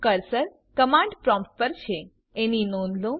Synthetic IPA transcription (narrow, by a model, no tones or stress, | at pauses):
kəɾsəɾ | kəmãɳɖpɾɔmspəɾt͡ʃʰe | eninonlũm